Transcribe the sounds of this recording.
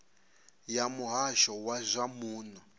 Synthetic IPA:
jamuɦaʃɔwazʷamuːnɔ

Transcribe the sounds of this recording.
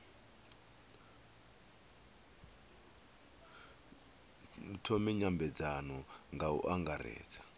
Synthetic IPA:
tʰomiɲambɛd͡zanɔŋɡaṵʔaŋɡarɛ̰ːd͡zḁ

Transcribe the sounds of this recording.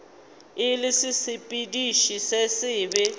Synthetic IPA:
ɪlɪsɪsɪpʼidiʃisesɪːbɛ

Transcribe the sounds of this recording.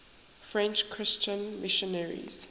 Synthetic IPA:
fɹɛ̃nt͡ʃkʰɹɪst͡ʃə̃nmɪʃɔnɛɹḭz̥

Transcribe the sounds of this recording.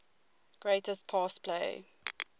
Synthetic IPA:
ɡ̥ɹeɪtəstpʰɑːspʰlḛɪ

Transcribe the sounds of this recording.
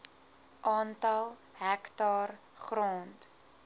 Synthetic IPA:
ʔɑːntɐlˠ | ɦæktɑːr | χrɔːnt

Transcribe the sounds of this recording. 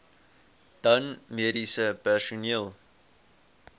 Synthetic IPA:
d̥ɐnmeɾisəpɛsuniəlˠ

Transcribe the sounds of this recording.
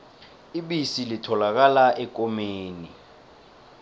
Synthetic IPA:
iɓisilitʰɔlak̬alaʔɛk̬ʼɔmeːni

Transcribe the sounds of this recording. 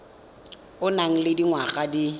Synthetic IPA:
ʊnaŋ̩lɪdiŋwaɣʼadi

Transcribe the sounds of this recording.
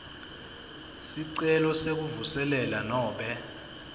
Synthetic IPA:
siǀɛlɔsek̬uvusɛlɛlanɔːɓɛ

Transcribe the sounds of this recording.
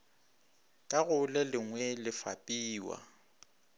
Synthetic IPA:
kʼaɣʊlɛlɪŋwɛlɪfa̰pʼiːwa̰

